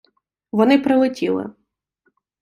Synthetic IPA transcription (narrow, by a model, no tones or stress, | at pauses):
ʋɔnɪpɾɐlˠɪtʲilˠɪ̰